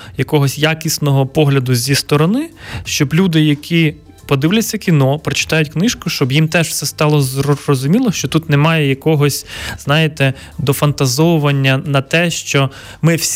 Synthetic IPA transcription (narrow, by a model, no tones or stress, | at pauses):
jɐkɔɦɔsʲjakʲisnɔɦɔpɔɦlʲɐd̪ʊzʲist̪ɔɾɔnɪʃt͡ʃɔblʲud̪ɪjɐkʲʰi | pɔd̪ɪwlʲɐt͡sʲːɐkʲinɔpɾɔt͡ʃɪ̥t̪ɑjʊtʲknɪʃkʊʃt͡ʃɔbjimt̪ɛʒwsɛst̪ɑlˠɔzrɔrɔzʊmʲilˠɔʃt͡ʃɔt̪ut̪nɛmɑjɛjɐkɔɦɔsʲz̥nɑjet̪ɛ | d̪ɔfɐnt̪ɐzɔwʊʋɐnʲːɐnɐt̪ɛʃt͡ʃɔ | mɪwsʲ